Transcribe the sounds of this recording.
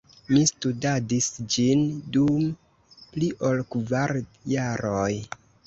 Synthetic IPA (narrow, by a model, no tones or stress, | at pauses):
mistudadisd͡ʒindum | pliʔo̞lkvaɾjaɾoj